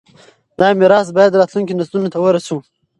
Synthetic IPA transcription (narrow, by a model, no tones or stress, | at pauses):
d̪̥ɑmɪɾɑːsbɑjad̪ɾɑːt̪lunkinasd̪unot̪awəɾasu